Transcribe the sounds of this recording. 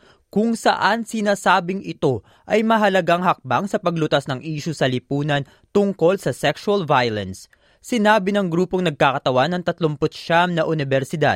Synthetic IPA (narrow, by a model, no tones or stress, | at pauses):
kʊŋsɐ̰ʔansɪnaːsaːbɪŋɪt̪o̞ | ʔɐjmɐɦɐlɐɡaŋhɐk̚baŋsɐpɐɡlʊt̪asnɐŋʔiːʃʊsɐlɪpuːnɐn | t̪ʊŋko̞lsɐsɛkʃuɐlvajlɛnsː | ɪnaːbɪnɐŋɡɾuːpo̞ŋnɐɡ̚kaːkɐt̪ɐwanːɐŋt̪ɐt̪lompʊt̪̚ʃamnɐʔʊnɪbɛɾsɪd̪a̰d̪̚